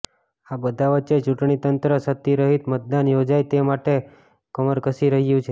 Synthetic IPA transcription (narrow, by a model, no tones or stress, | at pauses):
abəd̪ʱaʋət͡ʃet͡ʃuʈɳit̪ənt̪ɾəsət̪ːiɾəɦit̪mət̪̚d̪anjod͡ʒajt̪emaʈe | kəməɾkəsiɾəɦjũt͡ʃʰe